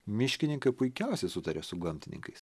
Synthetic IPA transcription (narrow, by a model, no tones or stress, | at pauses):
mʲɪʃʲkʲɪnʲɪŋkɐɪpʊɪkʲɛˑʊsʲɛɪsʊt̪ɐɾʲɛsʊɡɐmʲt̪ʲɪnʲɪ̰ŋkɐɪs